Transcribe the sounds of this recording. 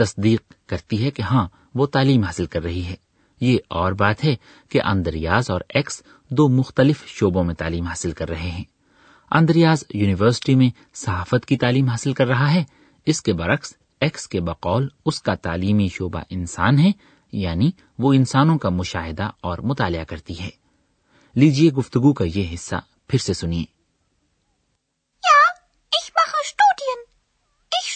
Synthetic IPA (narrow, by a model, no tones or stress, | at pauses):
t̪ɐsd̪iːq̚kɐɾt̪iɦɛkeɦãː | ʋot̪aːliːmɦaːsɪlkɐɾːɐɦiɦɛː | jeʔɔːɾbaːt̪ɦɛ | keʔɐ̰̃nd̪əɾɪjaːzɔːɾɛːks | d̪oːmʊxt̪əlɪfʃoːbõmẽt̪a̰ːliːmɦaːsɪlkɐɾːɐɦeɦɛ̃ː | ɐ̰̃nd̪əɾijaːzjuːnɪʋəɾsɪ̥ʈimẽ | sɐɦaːfət̪kit̪aːliːmɦaːsɪlkɐɾːɐɦaɦɛː | ɪskebɐɾɐxs | ɛkskebɐqɔːlʊskat̪a̰ːliːmiʃoːba̰ʔɪnsa̰ːnɦɛ | jaːni | ʋoːɪ̃nsaːnõkamʊʃa̰ːɦɪd̪aɔːɾmʊt̪aːlɪakɐɾt̪iɦɛː | liːd͡ʒieɡʊft̪ʊɡukajeɦɪsːa̰ | pʰɪɾsesʊniḛː | jaː | ɪçmaxəʃtuːdiən | ɪ